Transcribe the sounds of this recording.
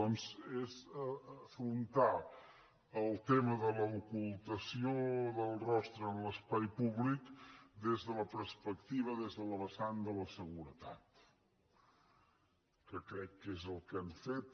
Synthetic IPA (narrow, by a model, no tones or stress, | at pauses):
ɔnzezəfɾunt̪a | əlˠt̪eməðələukulˠt̪əsioðəlˠrɔst̪ɾəːnləspajpuβlikd̪ezðələpəɾspəkt̪iβ̞əðezðələβəsand̪ələsəɣuɾət̪at̪ | kəkɾɛkːezəlˠkəmfet̪